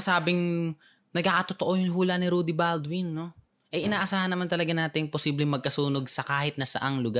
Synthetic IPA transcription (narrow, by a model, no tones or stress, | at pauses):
saːbɪŋ | nɐɡ̚kaːkɐt̪ot̪oʔo̞jʊŋɦuːlɐnɪɾud̪ɪbald̪wɪnːo̞ | ʔɛʔɪnaːʔɐsaːhɐnːɐmant̪ɐlɐɡanaːt̪ɪŋposiːblɛŋmɐɡ̚kɐsuːno̞ɡsɐkaːhɪt̪̚nɐsɐ̰ʔaŋlʊɡa